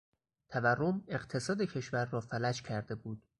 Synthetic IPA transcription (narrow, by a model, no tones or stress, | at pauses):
t̪ʰæværːome̞ɢt̪ʰe̞sɒːd̪e̞cʰe̞ʃvæɾːɒːfælæd͡ʒcʰæɾd̪e̞buːd̪̥